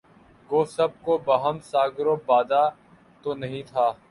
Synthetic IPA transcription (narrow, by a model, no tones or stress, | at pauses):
ɡoːsɐb̚kobɐɦəmsaːɡɾoːbaːd̪aː | t̪onɐɦĩːt̪ʰaː